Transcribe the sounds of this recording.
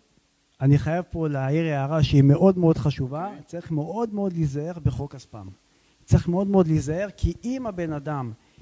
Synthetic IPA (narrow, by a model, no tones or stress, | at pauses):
aniχajavpo̞leaiʁjeaʁaʃeime̞ʔo̞d̪me̞o̞d̪χaʃuvat͡saʁiχme̞ʔo̞d̪meo̞d̪lizaeʁbeχo̞kazpam | t͡saiχme̞o̞d̪meo̞d̪lizae̞ʁkʰiimabe̞nadam